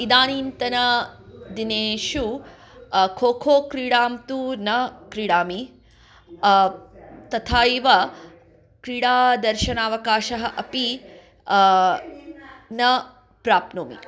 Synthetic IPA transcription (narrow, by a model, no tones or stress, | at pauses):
id̪aːniːnt̪ɐnɐd̪ineːʃu | kʰoːkʰoːkɾiːɽaːmt̪unɐkɾiːɽaːmi | t̪ɐt̪ʰaːiʋɐ | kɾiːɽaːd̪ɐɾʃɐnaːʋɐkaːʃɐɦɐʔɐpi | nɐ | pɾaːpnoːmḭ